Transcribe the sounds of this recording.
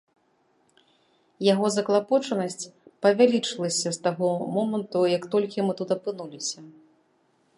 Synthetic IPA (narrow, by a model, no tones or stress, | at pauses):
jaɣɔzɐklˠapɔt͡ʂɐnɐsʲt͡sʲpɐvʲalʲit͡ʂɨlˠɐsʲɐst̪aɣɔmɔmɐnt̪ujɐkt̪ɔlʲkʲimɨt̪ut̪ɐpɨnulʲisʲɐ